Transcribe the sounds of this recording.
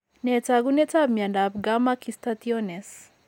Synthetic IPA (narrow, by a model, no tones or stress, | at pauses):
nɛt͡saɡunɛt͡sabmiandap̚ɡamakist̪at̪iɔnɛs